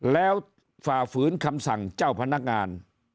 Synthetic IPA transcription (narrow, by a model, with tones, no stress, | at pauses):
lɛː˦˥w | faː˨˩fɯː˨˦˥nkʰa˧msa˨˩ŋt͡ɕaː˥˩wpʰa˧na˦˥˩k̚ŋaː˧n